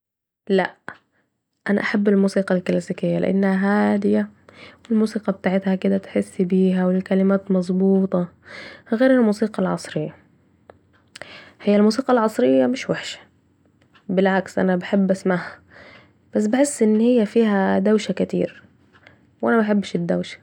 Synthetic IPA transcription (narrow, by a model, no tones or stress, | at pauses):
la̰ʔ | ʔana̰ʔaħabːɪlmuːsiːqɑlklasiːkɪjːalɪ̰ʔa̰nːhaɦaːd̪ɪjawɪlmuːsiːqɑbɪt̪aːʕɪt̪hakɪd̪at̪ħɪsːbiːɦawɪkalɪmaːt̪mɑzˤbuːt̪ˤɑ | ɣeːɾɪlmuːsiːqɑlʕɑsˤɾɪjːa | hɪjːalmuːsiːqɑlʕɑsˤɾɪjːamɪʃwaħʃḁ | bɪlʕaksʔa̰nabaħɪbːʔasmaʕha | b̥as̬ːbɪħɪsːʔɪnːhɪjːafiːhad̪awʃakat̪ḭːɾ | wʔanabaħɪbːʃɪd̪ːa̰wʃḁ